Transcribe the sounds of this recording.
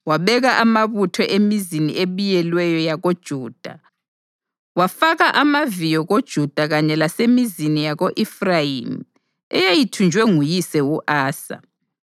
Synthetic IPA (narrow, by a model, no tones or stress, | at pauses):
waβɛɣaʔamaβutʰɔʔemizinḭeβijɛlwɛjɔjaɣod̥ʒ̥ʱuːd̥ʱa̰ | wafaɣaʔamavijɔɣod̥ʒ̥ʱud̥ʱaɣaɲɛlasemizinijaɣoʔifrajḭm | ɛjajitʰund͡ʒʱwɛŋujisɛuʔaːsa̰